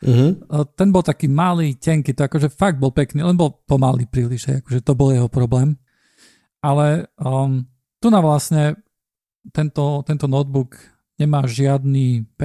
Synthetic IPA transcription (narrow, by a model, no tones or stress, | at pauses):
ɦ̩t̪ɛnbɔlˠt̪akiːmaliːcɛŋkit̪ɔakɔʒɛfaɡ̚d̪̚bɔlpɛkniːlɛnbɔlpɔmaliːpɾiːliʒɦɛ̰jakɔʒɛt̪ɔbɔljɛɦɔpɾɔblɛːm | ʔalɛ | t̪unaʋlasɲɛ | t̪ɛnt̪ɔt̪ɛnt̪ɔnɔd̪̚buk | ɲɛmaːʒɪad̪niːpɛ